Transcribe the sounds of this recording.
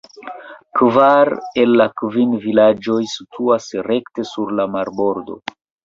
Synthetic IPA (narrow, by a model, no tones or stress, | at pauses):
kvaɾe̞lːakvinvilad͡ʒo̞jsi̥tʰuasɾe̞kte̞suɾlamaɾbo̞ɾdo̞̰